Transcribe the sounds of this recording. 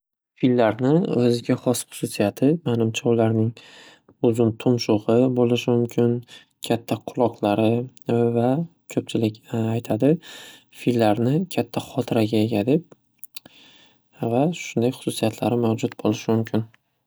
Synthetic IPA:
filːaɾnɪɵzɪɡʲaχɒsχʊ̥sʊsijat̪ʰɪmanɪmt͡ʃʰaʊlaɾnɪŋ | ʊzʊnt̪ʰʊmʃʊʁɨbolɪʃɪmʊmkʲʰɪn | kʲʰat̪ʰːaqʰʊlˠɒqlˠaɾɪ | vakʲʰɵp̚t͡ʃʰɪlɪkʲajt̪ʰad̪ɪ | filːaɾnɪkʲʰat̪ʰːaχɒt̪ʰɪɾaɡʲaeɡʲad̪ɪp̚ | vaʃʊnd̪ajχʊ̥sʊsijat̪ʰlaɾɪmawd͡ʒʊt̪̚bolɪʃɪmʊmkʲʰɪn

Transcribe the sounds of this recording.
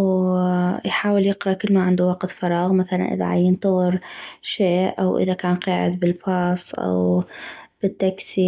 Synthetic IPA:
w | jħaːwɪljɪqɾˤɑʔkɪlːmaʕɪnd̪uwɑqt̪fɑɾˤɑːɣmaθala̰nʔɪ̰ða̰ʕa̰jɪnt̪ɑðˤɨɾʃeːʔawʔɪ̰ðakaːnqɑːʕɪd̪bɪlfɑːsˤʔa̰w | b̥ɪt̪ːaksi

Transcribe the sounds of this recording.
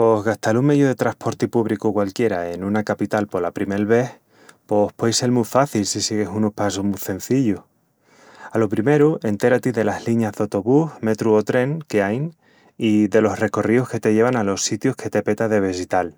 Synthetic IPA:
po̞hɣaht̪aluŋmejoðe̞t̪ɾaspʰo̞ɾt̪ipuβɾikukwalkje̞ɾae̞nunakapit̪alpo̞lapɾime̞lβe̞h | po̞hpwojse̞lmufaθilsisiɣe̞sunohpasohmuθẽ̞n̟θiʎoh | alo̞pɾime̞ɾue̞nt̪e̞ɾat̪iðe̞lahliɲazðawt̪oβuhme̞t̪ɾuot̪ɾe̞ŋkeajn | iðe̞lo̞sre̞ko̞riohke̞t̪e̞ʝe̞βanalo̞sːit̪johkʰe̞t̪e̞pe̞t̪aðe̞β̞esit̪al

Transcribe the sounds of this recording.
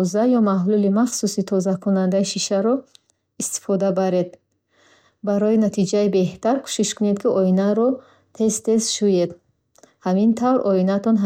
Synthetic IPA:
zajɔmaɦlulimaχsusit̪ʰɔzakʰunand̪aiʃiʃaɾɔ | ist̪i̥fɔd̪abaɾed̪̚ | baɾɔinat̪ʰid͡ʒaibe̞ht̪ʰaɾkʰu̥ʃiʃkʰune̞d̪kʰiɔinaɾɔ | t̪ʰest̪e̞sʃujed̪ | hamint̪ʰavɾɔinat̪ʰɔnɦ

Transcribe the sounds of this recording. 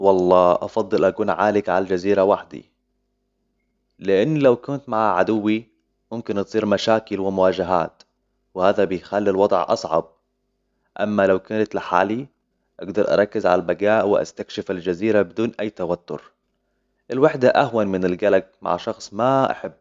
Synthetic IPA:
wɑlˤːɑːʔɑfɑd̪ˤːɨlʔakuːnʕaːlɪkʕalad͡ʒaziːɾawaħd̪ḭ | lɪʔɪnːlawkʊnt̪maʕaʕad̪ʊwːi | mʊmkɪnt̪sˤiːɾmaʃaːkɪlwɪmʊwaːd͡ʒaɦa̰ːt̪ | wɪhaːðabɪjxalːilwɑd̪ˤʕʔɑ̰sˤʕɑ̰b̚ | ʔa̰mːalawkaːnat̪lɪħa̰ːli | ʔaɡd̪ɑɾˤʔɑ̰ɾˤɑkːɪzʕa̰labaɡaːʔwɪʔa̰st̪akʃɪfald͡ʒaziːɾabɪd̪uːnʔajːt̪awat̪ːʊ̰ɾ | ʔɪlwaħd̪aʔaɦwanmɪnɪlɡalaɡ̚ma̰ʕʃɑxsˤmaʔa̰ħabː

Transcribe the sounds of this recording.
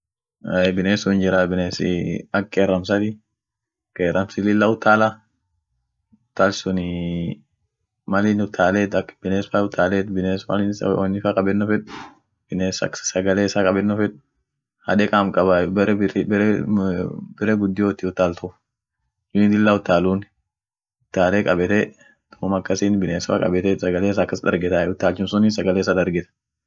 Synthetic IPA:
ɛbɪneːsʊɪnd͡ʒɪɾabɪneːsɪ̰ɐkːeːrːɐms̬ɐt̪ɪ | keːɾɐmsɪlɪlːɐʊt̪ːaːla | ʊt̪ːalsʊnɪ | mɐlɪnʊt̪ʰːaːleːt̪ɐkːbɪneːsfaʊt̪ʰːaːleːt̪bɪneːsmɐ̰lɪnswɔnːɪfakʼɐbɛnːɔfɛᶑʊ | b̥ɪnesɐksɐɡɐleːɪsaːkʼɐbɛnːɔfɛᶑʊ̥ | hɐ̰ᶑ̪ɛkʼaːmkʼɐbɐbɛɾɛb | bɪɾeːɡʊd̪ːɪjoːt̪iʊt̪ːaːlt̪ʰɔf | d͡ʒʊd̪ɪlːaʊt̪ːaːluːn | ʊt̪ːaːleːkʼɐbɛt̪ɛ | t̪ɔ̥kːʊmɐkːɐsiːnbɪneːsfa̰ːkʼɐ̰bɛt̪ɛsɐɡɐleːs̬aːkːɐsd̪ɐ̰ɾɡɛt̪aʊt̪ːaːlt͡ʃːɪmsʊniːsɐɡɐleːs̬aːd̪ɐɾɡɛt̪ɐ̥

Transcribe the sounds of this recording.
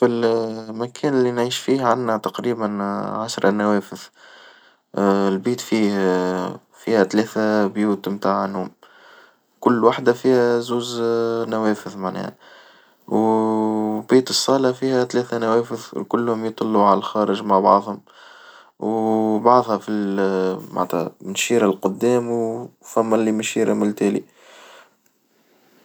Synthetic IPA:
filmækʰɛːnɪlːinʕiːʃfiːhʕanːæt̪ɑqɾiːbənʕaʃɾˤɑnæwɛːfəð | lbiːt̪fiːh | fiːhæt̪lɛːθæbjuːt̪mt̪aːʕənːuːm | kʊlːwaħd̪æfiːhæzuːznæwɛːfəðmaʕnɛ̰ːh | w | biːt̪əsˤːɑːlɑfiːhæt̪lɛːθænæwɛːfəðkʊlːhʊmjt̪ˤɑlːuʕalælxɑːɾəʒmaʕbɑ̰ʕðˤhʊm | wbɑʕðˤhɑfilma̰ʕt̪hæ̰nʃiːɾalqʊd̪ːɛːmwfæmːælːimæʃiːɾmɪlt̪ɛːlḭ

